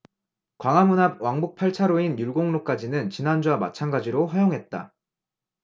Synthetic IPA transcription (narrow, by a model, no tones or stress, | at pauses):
kwaŋamunab̚waŋbuk̚pʰaɭt͡ɕʰaɾoinjuɭɡoŋnok͈ad͡ʑinɯnt͡ɕinɦand͡ʑuama̰t͡ɕʰanɡad͡ʑiɾoɸajoŋɦe̞t̚t͈a̰